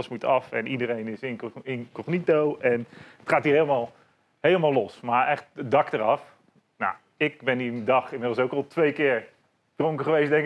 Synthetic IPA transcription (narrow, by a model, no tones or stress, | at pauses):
əsmutɑfɛnidəɾejnɪsɪnɪnkɔχnitowʔɛnətχaːtɦiːɹɦejlˠəmaːlˠ | hejləmaːlˠɔsmaɹɛχt̚dɑktəɾɑf | na̰ | ɪk̚bɛnindɑχɪnmɪdl̩ˠs̬owkɑlˠtʋejkɪːɹ | d̥roŋkəχəʋejsdɛŋk